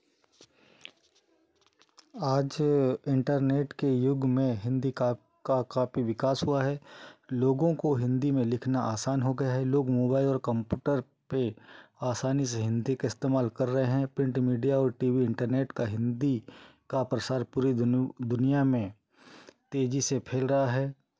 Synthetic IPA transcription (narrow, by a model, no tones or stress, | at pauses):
aːd͡ʒɪ̃ɳʈəɾneːʈkejʊɡmẽɦɪ̃nd̪ika | kakaːpiʋɪkaːsɦuaɦɛːloːɡõkoɦɪ̃nd̪imẽlɪkʰnaʔaːsaːnɦoɡɐjaɦɛloːɡmoːbaːɪlɔːɾkə̃mpjuːʈəɾ | peaːsaːnis̬eɦɪ̃nd̪ikaɪst̪eːmaːlkɐɾːəɦeɦɛ̃pɾɪ̃ɳʈmiːɖijaɔːɾʈiːʋiɪ̃ɳʈəɾneːʈkaɦɪ̃nd̪ikapɾəsaːɾpuːɾid̪ʊnijamẽ | t̪eːd͡ʒisepʰeːlɾɐɦaɦɛː